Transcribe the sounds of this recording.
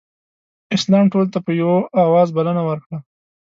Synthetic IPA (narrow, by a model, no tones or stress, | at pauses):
ɪslɑmʈolt̪apəjawoʔawɑzbalənawəɾkɽa